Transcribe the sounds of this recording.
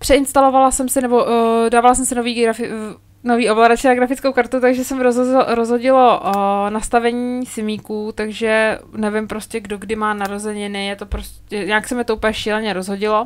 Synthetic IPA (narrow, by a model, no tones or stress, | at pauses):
pr̥ɛɪnst̪alo̞valasɛmsɪnɛbo̞daːvalasɛmsɪnoviːɡafɪ | noviːʔovlaɾat͡ʃɪnaɡɾafɪt͡skowkaɾt̪ut̪aɡʒɛsɛmɪɾɾozɦo̞ɟɪlo̞ʔnast̪avɛɲiːsɪmiːkuːt̪aɡʒɛnɛvɪmpɾo̞scɛɡdoɡdɪmaːnaɾozɛɲɪnɪjɛt̪opɾoscɛɲaksɛmɪt̪ouːpljɛʃiːlɛɲɛɾo̞zɦo̞ɟɪlo̞